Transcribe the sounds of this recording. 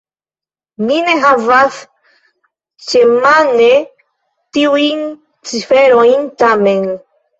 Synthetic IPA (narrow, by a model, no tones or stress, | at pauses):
nine̞ɦavas | t͡ʃemane | tiujn | t͡sifeɾojntamen